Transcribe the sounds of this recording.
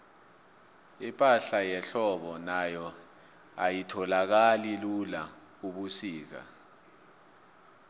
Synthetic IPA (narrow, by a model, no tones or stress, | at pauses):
ipʼaɬajɛɬɔɓɔnajɔ | a̰jitʰɔlak̬alilula | uɓusiːk̬a̰